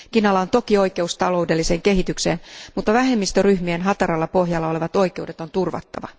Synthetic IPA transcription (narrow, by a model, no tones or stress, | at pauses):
kinɑlːɑont̪o̞kio̞jke̞ust̪ɑlo̞ude̞lːise̞ːŋke̞ɦit̪ykse̞̰ːnmut̪ːɑʋæɦe̞mːist̪øryhmienɦɑt̪ɑɾɑlːɑpo̞ɦjɑlːɑo̞le̞ʋɑt̪o̞ike̞ude̞t̪o̞nt̪urʋɑ̰t̪ːɑ̰ʋɑ̰